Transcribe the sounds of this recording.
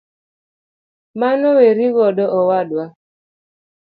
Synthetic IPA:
manɔweɾiɣɔdɔʔɔwadwa

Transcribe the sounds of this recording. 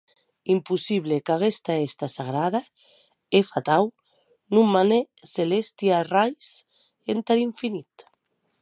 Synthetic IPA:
impusiβ̞lekaɣ̞est̪aest̪asaɣ̞ɾað̞a | efat̪aw | nũmmane | selest̪jarajs | ent̪aɾiɱfinit̪

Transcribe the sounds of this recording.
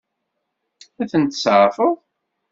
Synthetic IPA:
æθənt̪əsʕfəʁ

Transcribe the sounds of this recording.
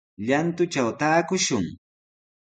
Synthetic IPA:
ʎant̪ʊt͡ʃawt̪aːkʊʃʊŋ

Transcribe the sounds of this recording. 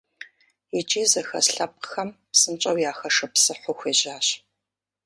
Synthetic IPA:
it͡ʃʼiːzɐxɐ̰sɬɐp̚qxɐmpsɨnt͡ʃʼɐwjaːxɐʂɨpsɨħʷʊxʷeːʑaːɕ

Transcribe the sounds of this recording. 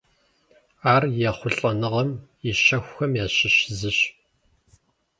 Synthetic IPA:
aːrjɛχʷʊɬʼɐnɨʁɐm | ɪɕɐxʷxɐmjaːɕɪɕɪzɨɕ

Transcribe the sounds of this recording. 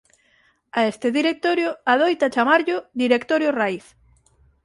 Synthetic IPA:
aest̪ɪðiɾek̚t̪oɾjʊaðojt̪at͡ʃamaɾʎʊd̪iɾekt̪oɾjoraiθ

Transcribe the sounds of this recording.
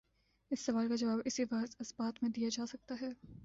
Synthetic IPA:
ɪsːɐʋaːlkad͡ʒɐʋaːbɪsiʋɐzɐsbaːt̪mẽd̪ijad͡ʒaːsɐk̚t̪aɦɛː

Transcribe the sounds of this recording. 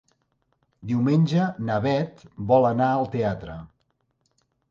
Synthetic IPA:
d̪iwmenʲʒənəβɛt̪bɔlənaəlˠt̪eat̪ɾə

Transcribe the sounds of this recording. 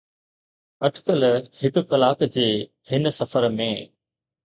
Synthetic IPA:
ɐʈkəlhɪk̆kɐlaːkd͡ʑeː | hɪnsɐfəɾmẽː

